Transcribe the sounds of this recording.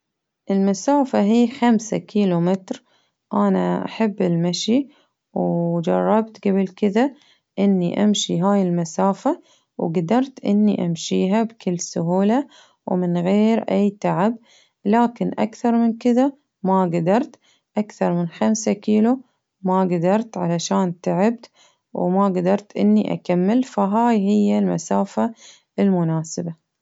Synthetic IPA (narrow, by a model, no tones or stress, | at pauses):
ʔɪlmasaːfaɦiːxamsa̰kʰiːlumɪt̪ɾ | ʔanaʔa̰ħabːɪlmaʃi | wd͡ʒɑrˤːɑbt̪ɡabɪlkɪða | ʔɪnːiʔamʃiɦaːjɪlmasaːfa | wɡad̪ɑɾˤt̪ʔɪ̰nːiʔamʃiːɦabkɪlːsʊɦuːla | wmɪnɣeːɾʔajːt̪aʕɪb | laːkɪnʔa̰kθɑɾˤmɪnkɪða | maɡad̪ɑɾˤt̪ | ʔakθɑɾˤmɪnxamsakiːlu | maɡad̪ɑɾˤt̪ʕalaʃaːnt̪aʕɪb̚t̪ | wmaɡad̪ɑɾˤt̪ʔɪnːiʔa̰kamːɪlfaɦaːjɦɪjːalma̰saːfa | ɪlmʊnaːsɪba